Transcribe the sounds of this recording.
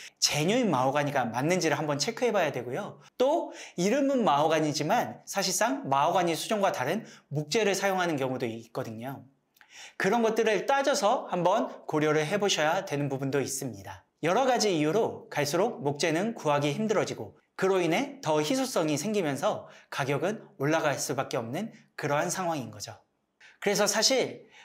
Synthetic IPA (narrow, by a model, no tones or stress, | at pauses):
t͡ɕe̞ɲoinmaoɡaɲiɡamanːɯnd͡ʑiɾɯɭɦambʌnt͡ɕʰe̞kʰɯɦe̞bajadwe̞ɡojo | t͈oiɾɯmɯnmaoɡaɲid͡ʑimansʰaɕʰiɭs͈aŋmaoɡaɲisʰud͡ʑoŋɡwataɾɯnmuk̚t͡ɕ͈e̞ɾɯɭsʰajoŋɦanɯnkjʌŋudoik͈ʌdɯɲo | kɯɾʌnɡʌt̚t͈ɯɾɯɭt͈ad͡ʑʌsʰʌhambʌnkoɾjʌɾɯɭɦe̞boɕʰʌjadwe̞nɯnpubundois͈ɯmɲida | jʌɾʌɡad͡ʑiːjuɾokaɭs͈uɾok̚mok̚t͡ɕ͈e̞nɯnkuaɡiçimdɯɾʌd͡ʑiɡo | kɯɾoine̞tʌçisʰos͈ʌŋisʰeŋɡimjʌnsʰʌkaɡjʌɡɯnoɭːaɡas͈ubak͈eʌmnɯnkɯɾʌɦansʰaŋɦwaŋinɡʌd͡ʑo | kɯɾe̞s̬ʰʌsʰaɕʰiɭ